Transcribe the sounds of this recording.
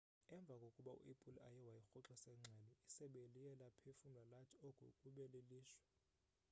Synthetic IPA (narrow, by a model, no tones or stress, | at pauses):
ɛɱbvʱakʼokʼuɓaṵʔepʼulajɛwajixɔǁɛsɛŋ͡ǀʱɛlɔisɛɓelijɛlapʰefunalatʰʼokʰʼṵkʼuɓɛleliːʃwɛ̥